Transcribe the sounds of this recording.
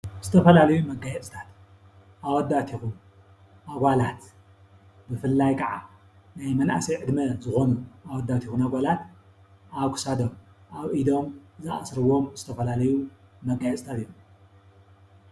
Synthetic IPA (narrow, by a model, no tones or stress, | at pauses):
z̥ɨt̪ʰɐfɐlalɐjumɐɡajɛt͡sʼɨt̪ʰat̪ | ʔawɐd̪ːat̪ʰixum | ʔaɡʷalat̪ | bɨfɨlːajkʼɐʕa̰ | najmɐnʔa̰sɐjʕɨd̪mɐzɨxonuʔawɐd̪ːat̪ʰixunaɡʷalat̪ | ʔaβkʰɨ̥sad̪om | ʔaβʔid̪o̞mzɨa̰sɾɨwo̞mzɨt̪ʰɐfɐlalɐjumɐɡːajɛt͡sʼɨt̪ʰat̪ɨjːom